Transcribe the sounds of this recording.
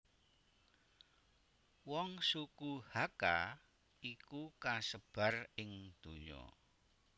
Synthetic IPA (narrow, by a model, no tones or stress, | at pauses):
wɔŋsukuhaka | ikukasəb̥a̤rɪŋd̪̥o̤ɲɔ̰